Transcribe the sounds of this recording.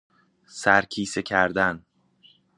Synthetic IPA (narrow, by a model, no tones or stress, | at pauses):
sæɾcʰiːsecʰæɾd̪æn